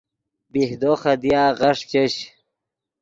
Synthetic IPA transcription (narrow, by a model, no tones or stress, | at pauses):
bihd̪oχɐd̪ijaːʁɐʂt͡ɕeɕ